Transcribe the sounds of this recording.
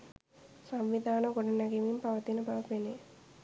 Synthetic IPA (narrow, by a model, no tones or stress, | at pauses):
samʋid̪aːnɐɡoɖɐnaɡemimpaʋɐt̪inəbaʋɐpene